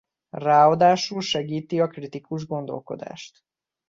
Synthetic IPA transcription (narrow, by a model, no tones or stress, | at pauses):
raːɔd̪aːʃulʃɛɡiːt̪iɒkrit̪ikuʒɡo̞nd̪o̞̰lko̞̰d̪a̰ːʃt̪